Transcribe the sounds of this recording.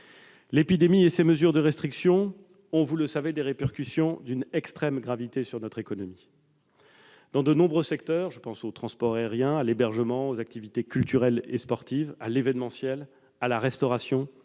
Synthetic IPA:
lepid̪emieseməzyʁd̪əʁɛst̪χiksjɔ̃ | ɔ̃vuləsaved̪eʁepɛʁkʲysjɔ̃d̪ynɛkst̪χɛmɡʁavit̪esyʁnɔt̪χekɔnɔmi | d̪̥ɑ̃d̪ənɔ̃bʁøsɛkt̪œʁʒəpɑ̃sot̪χɑ̃spɔʁaɛʁjɛ̃alebɛʁʒəmɑ̃ozak̚t̪ivit̪ekʲylt̪yʁɛlespɔʁt̪ivalevɛnmɑ̃sjɛl | alaʁɛst̪ɔʁasjɔ̃

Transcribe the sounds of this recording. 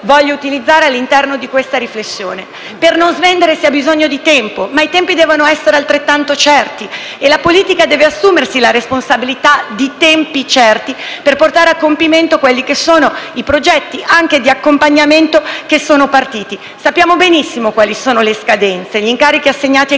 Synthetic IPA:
vɔʎːout̪ilid̪zːaːɾealːint̪ɛrnod̪ikwest̪aɾiflesːjo̰ːne | pernonzvend̪eɾesiabizoɲːod̪it̪ɛmpomait̪ɛmpid̪ɛːvonoɛsːeɾealt̪ɾet̪ːant̪ot͡ʃɛrt̪i | elapoliːt̪ikad̪ɛːveasːuːmersilaɾesponsabilit̪ad̪it̪ɛmpit͡ʃɛrt̪iperport̪aːɾeakːompiment̪okwelːikesːoːnoipɾod͡ʒɛt̪ːiʔaŋk̟ed̪iakːompaɲːament̪okesːoːnopart̪iːt̪i | sapːjaːmobenisːimokwaːlisoːnoleskad̪ɛnt̪seʎiŋkaːɾik̟iasːeɲːaːt̪i

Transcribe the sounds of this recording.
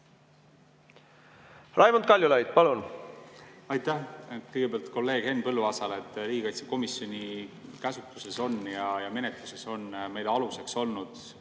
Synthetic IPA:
rʔɑjmont̪̚kɑlʲjulɑjd̪̥̚pɑlun | ɑjt̪ːæhkɤjɡ̥e̞beɑlt̪ko̞lːe̞ːɡ̥he̞nːpɤlːuɑsɑlet̪ːˑɾiːɡikɑjt̪se̥ko̞misjo̞nʲikæsut̪ˑluse̞so̞njɑjɑme̞net̪luse̞so̞nme̞jleɑluse̞kso̞lnud̪̥

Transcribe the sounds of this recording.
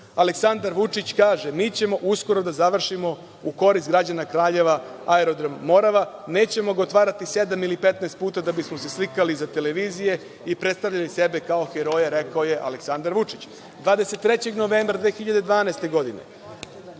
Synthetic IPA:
aleksand̪aɾʋut͡ʂit͡ɕkaːʒemiːt͡ɕe̞mo̞ʔusko̞ɾo̞d̪azaʋr̩ʃimo̞ | uko̞ɾist̪ɡɾad͡ʑanakɾaːʎe̞ʋaaeɾo̞d̪ɾammːo̞ɾaʋane̞ːt͡ɕe̞mo̞ɡaot̪ʋaːɾat̪ise̞d̪amilipe̞t̪nest̪puːt̪ad̪abismo̞se̞slikalizat̪e̞le̞ʋiːzije̞ | ipɾet̪st̪aʋʎalise̞be̞kao̞xeɾo̞jaɾe̞kaoje̞ʔa̰leksand̪aɾʋut͡ʂit͡ɕ | d̪ʋaːd̪eset̪ːɾe̞t͡ɕe̞ɡno̞ʋeːmbɾad̪ʋeːxiʎad̪e̞d̪ʋaːnast̪e̞ɡo̞d̪inḛ

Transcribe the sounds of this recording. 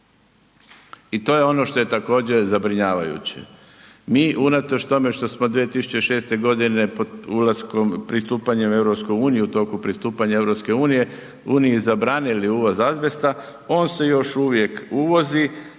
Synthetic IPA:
it̪o̞ːje̞o̞no̞ʃt̪o̞je̞t̪ako̞ːd͡ʑe̞zabɾiɲaːʋajṵt͡ɕe̞̰ | miːʔunat̪o̞t͡ɕt̪o̞me̞ʃt̪o̞smod̪ʋijet̪isu̥t͡ɕe̞ʃe̞ːst̪e̞ɡo̞d̪ine̞pod̪ulasko̞mpɾist̪uːpaɲeme̞vɾo̞pskojuːnijiut̪o̞ːkupɾist̪uːpaɲaeʋɾo̞pske̞uːnije̞ | uːniizabɾaːniliuːʋo̞zazʋe̞st̪a | o̞ːnse̞jo̞ʃuʋje̞kuʋo̞zi

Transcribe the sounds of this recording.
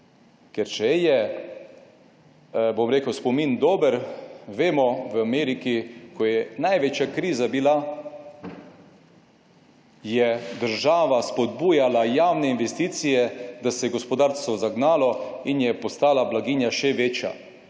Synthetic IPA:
kɛɾt͡ʃɛjɛ | bomɾeːkəwspɔmind̪oːbəɾʋeːmɔʋameːɾikikɔjɛnajʋet͡ʃjakɾiːzabila | jɛd̪əɾʒaːʋaspɔd̪̚buːjalajaːwnɛinʋɛst̪iːt̪sijɛd̪asɛɡɔspɔd̪aːɾst̪ɔzaɡnaːlɔinjɛpɔst̪aːlablaɡiːnjaʃɛʋeːt͡ʃja̰

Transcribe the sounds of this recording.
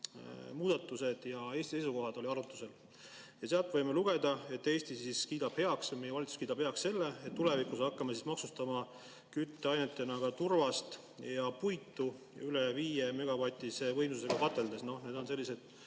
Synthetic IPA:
muːd̪̥ɑt̪ːˑuse̞d̪̥jɑe̞ːst̪isejsuko̞ɦɑd̪̥o̞lʲiɑɾut̪ːˑuse̞l | jɑseɑlt̪vɤjmeluɡ̥e̞d̪̥ɑe̞t̪ːe̞ːst̪isiskiːd̪ɑb̥he̞ɑksmejeɑlit̪su̥skiːd̪ɑb̥heɑksse̞lːe̞et̪ːule̞vikusɑkːɑmesismɑksust̪ɑmɑ | kyt̪ːeɑjnet̪ːˑe̞nɑɡ̥ɑt̪urvɑst̪ | jɑpujt̪ːu | yleviːjeme̞ɡ̥ɑvɑt̪ʲːˑisevɤ̞jmsuse̞ɡ̥ɑkɑt̪ːe̞ld̪e̞sno̞hne̞ːd̪o̞nse̞lʲːise̞d̪̥

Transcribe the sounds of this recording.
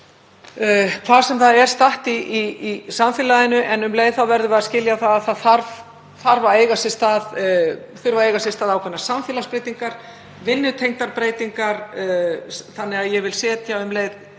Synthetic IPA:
kʰvaːðsɛmθaðɛɾ̥st̪aht̪iiisamfiːlaðɪnʏʔɛnʏmlejðθawvɛɾðʏvɛðascɪljaθaðaðθaðθaɾv | θaɾvaeːjɣasɪst̪að | θʏɾvaejɣasɪst̪aːðawkʰɛnːasamfiːlaspɾejt̪iŋkaɾ̥ | vɪnːʏt̪ʰejŋt̪aɾpɾeːjt̪iŋkaɾ | θanːɪɣaðjɛvɪlsɛːt̪jawʏmleːjð

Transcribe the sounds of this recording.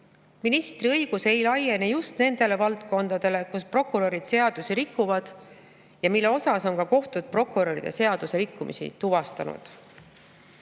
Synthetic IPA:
minist̪riɤjɡ̥use̞jlɑje̞nejust̪ne̞nd̪e̞le̞vɑlt̪ko̞nd̪ɑd̪̥e̞le̞kuspro̞kuɾo̞ɾid̪̥se̞ɑd̪usiɾikːuvɑd̪̥ | jɑmilːe̞o̞sɑso̞nkɑko̞ht̪ud̪̥̚pro̞kːuɾeɾḭd̪̥e̞̰se̞ɑd̪̥use̞ɾikːumḭsḭt̪uvɑst̪ɑnṵd̪̥

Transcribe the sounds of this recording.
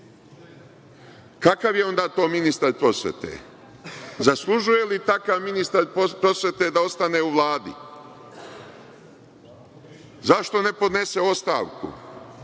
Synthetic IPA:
kakaʋjeo̞nd̪aːt̪o̞ːminist̪aɾpɾo̞sjḛt̪ḛ | zaslˠuʒuje̞lit̪akaʋminist̪aɾpɾo̞sʋje̞t̪ed̪ao̞st̪ane̞ːuʋlˠaːd̪ḭ | zaʃt̪o̞ne̞po̞d̪ne̞se̞o̞st̪a̰ːʋkṵ

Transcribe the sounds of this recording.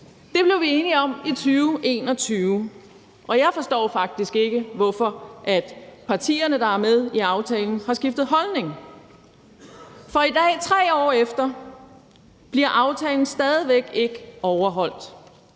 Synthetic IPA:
d̥e̝b̥le̝ʊʋie̝ːniɒ̽mit͡sʰyːʊʔe̝̰ːnɒ̽t͡sʰyːʊ | ʔɒ̽jɑ̈ɪfɒ̽sd̥ɔ̰ːfɑ̈ɡ̥̚d̥isɡ̥e̝ɡ̥əʋɒfɒ̽ʔæd̥pʰɑ̈t͡sʰḭːɐnəd̥ɑ̈æɐmeð̞ˠiɑ̈ʊt͡sʰɛːln̩hɑ̈sɡ̥ifd̥ð̞̩ˠɦɒ̽lne̝ŋ | fɒ̽id̥ɛ̰ːt͡sʰʁɛ̰ːɒ̰ːefd̥ɐ | b̥liɐʔɑ̈ʊt͡sʰɛːln̩sd̥ɛːð̞ˠiʋeɡ̥e̝ɡ̥əɒʊɐɦɒ̽l̰d̥

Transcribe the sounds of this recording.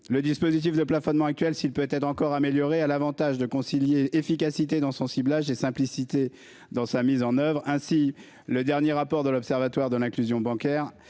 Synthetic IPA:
ləd̪ispozit̪̬ifd̪əplafɔnmɑ̃ak̚t̪ɥɛlsilpøt̪ɛt̪χɑ̃kɔʁameljɔʁealavɑ̃t̪aʒd̪əkɔ̃siljeefikasit̪ed̪ɑ̃sɔ̃siblaʒesɛ̃plisit̪e | d̪ɑ̃samizɑ̃nœvʁɛ̃si | ləd̪ɛʁnjeʁapɔʁd̪əlɔpsɛʁvat̪waʁd̪əlɛ̃klyzjɔ̃bɑ̃kʲɛːʁ

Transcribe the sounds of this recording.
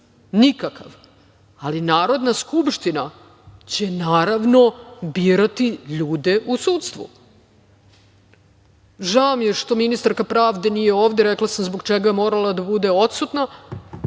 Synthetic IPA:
nikaka̰ʋ | alinaːɾo̞d̪naskupʃt̪ina | t͡ɕe̞naːɾaʋno̞biːɾat̪iʎuːd̪e̞ʔusuːt̪st̪ʋṵ | ʒaomjeʃt̪o̞minist̪aɾkapɾaːʋd̪e̞nijeoːʋd̪eɾeklˠasamzboɡt͡ʃeɡaemo̞ːɾalad̪abud̪e̞o̞t̪sut̪na

